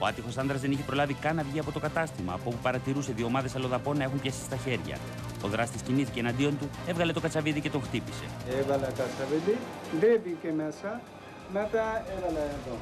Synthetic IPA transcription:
oɐt̪ixo̞sɐnd̪ɾɐzðe̞niçepɾo̞lɐvikɐnɐvʝiɐpo̞t̪o̞kɐt̪ɐst̪imɐ̰ːpuopupɐɾɐt̪iɾuseðio̞mɐðe̞sɐlo̞ðɐpo̞nːɐe̞xumpçesi̥st̪ɐçe̞ɾʝɐ̰ | o̞ðɾɐst̪isciniθicenɐnd̪io̞nt̪ue̞vɣɐlet̪o̞kɐt͡sɐviðice̞t̪o̞ŋxt̪ipi̥se̞̰evɐlɐkɐt͡sɐviðiðebicemesɐ | met̪ɐevɐlɐt̪o

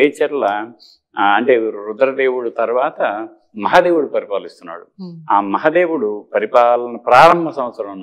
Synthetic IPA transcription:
eːt͡ʃɛɾlɐ | ɐɳʈe̞ːɾud̪ɾɐd̪eːwuɽut̪ɐɾuʋaːt̪ɐ | mɐɦaːd̪e̞ːwuɽupɐɾipaːlist̪unːa̰ːɽuaːmɐɦad̪e̞ːwuɽupɐɾipaːlɐnɐpɾaːɾɐmʱɐsɐm̃ʋɐt̪sɐɾɐmunː

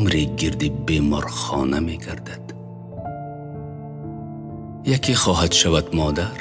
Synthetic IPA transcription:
mɾiɡiɾd̪ibemɔɾχɔ̰nameɡaɾd̪ad̪̥ | jakʰiχɔːɦad̪ʃavad̪mɔːd̪aɾ

